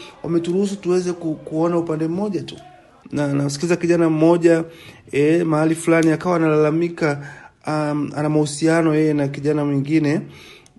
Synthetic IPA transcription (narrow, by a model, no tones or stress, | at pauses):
wʔa̰mɛtuɾuhus̬u̥tuwɛzɛkukuɔnaupandɛm̩mɔʄatu̥ | nanam̩s̬i̥kilizakiʄanam̩mɔʄaɛmahalifulaniakawaːnalalamika | anamahusianɔjɛjɛnakiʄanamwɛŋɡinɛ